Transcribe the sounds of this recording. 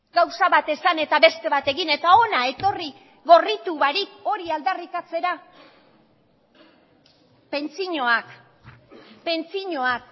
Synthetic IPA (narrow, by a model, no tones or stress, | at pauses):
ɡawsaβat̪e̞sane̞t̪aβe̞st̪e̞βat̪e̞ɣine̞t̪ao̞nae̞t̪o̞ri | ɣo̞rit̪uβaɾiko̞ɾiald̪arikat͡se̞ɾa | pe̞nt͡siɲo̞ak | pe̞nt͡siɲo̞ak̚